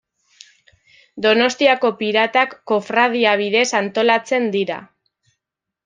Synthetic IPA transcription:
d̪o̞no̞st̪iako̞piɾat̪akːo̞fɾað̞iaβ̞iðe̞sant̪o̞lat͡se̞nd̪iɾa̰

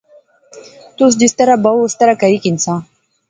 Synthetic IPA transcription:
t̪us̬d̪ist̪aɾabast̪aɾakaɾikinsã

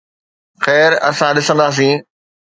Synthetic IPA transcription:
xɛːɾɐ̰sãɗɪsə̃nd̪aːs̬ĩː

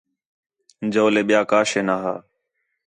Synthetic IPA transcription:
d͡ʒoːleːɓɪjaːkaːʃeːnaːɦaː

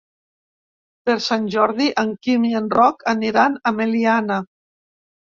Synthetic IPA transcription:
peɾsanʲʒɔɾðiʔaŋkimienrɔkaniɾanameliana

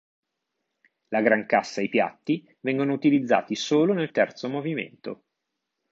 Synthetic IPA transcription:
laɡɾaŋkasːaipja̰t̪ːi | vɛŋɡonout̪ilid̪zːa̰ːt̪isoːlonelt̪ɛrt̪somovimḛnt̪o̰

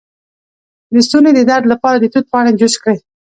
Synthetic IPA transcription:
d̪əst̪uned̪əd̪aɾd̪lapɑɾad̪ət̪ut̪̚pɑaɽemd͡ʒʊʃkɽe

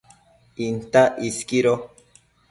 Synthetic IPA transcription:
int̪aʔiskiɾo

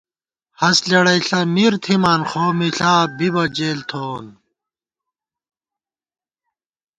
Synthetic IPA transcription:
hɐslɐɽɐjɬɐmiɾt̪ʰimaːnxoːmiɬaːbibɐd͡ʑeːlt̪ʰoːn

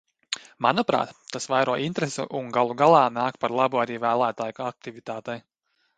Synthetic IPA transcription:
manɔpɾa̰ːt̪ːasvajɾuɔʔint̪ɾɛsṵʔuŋɡalˠuɡalˠɑːnaːkpaɾlˠabuaɾiːvæːlˠæːt̪aːjak̚t̪ivit̪aːt̪ɛj

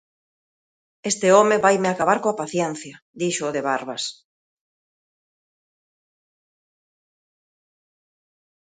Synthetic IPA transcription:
est̪ɪɔmeβajmeakaβaɾkoapaθjɛn̟θjɐ | d̪iʃoːðeβaɾβas

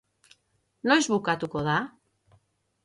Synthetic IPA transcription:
no̞jzβukat̪uko̞ða

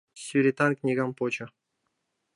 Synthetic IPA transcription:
sʲyɾʲet̪ɑnknʲiɡɑmpot͡ɕɤ̆

